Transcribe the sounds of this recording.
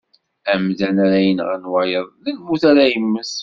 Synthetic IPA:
æmðænaɾæjənʁænwajəðˤlænmuθaɾæjəmːəs

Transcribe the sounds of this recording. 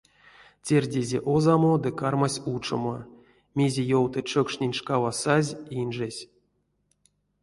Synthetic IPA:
tʲerʲdʲezʲḛʔozamod̪ɨkarmasʲut͡ʂo̰mo̰ | mʲezʲejowt̪ɨt͡ʃokʂnʲenʲʂkavasazʲinʐesʲ

